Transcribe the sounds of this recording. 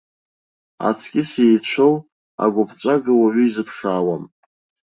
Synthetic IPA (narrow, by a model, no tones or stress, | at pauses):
a̰t͡sʰkʲʼɪsejt͡ɕʷʰow | a̰ɡʷʊpʰt͡ʃʷʼaɡɨwaɥʏizɨpʰʂaːwam